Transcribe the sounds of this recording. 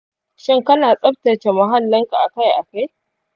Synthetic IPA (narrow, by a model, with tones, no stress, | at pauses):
ʃɪ˦ŋkɐ˦naː˨sʼɐ˦ɸ̚tɐ˨t͡ʃe˨mɐ˦ɦa˦lːɐ˦ŋka˨ʔa˨ka˦jʔa˨ka˦j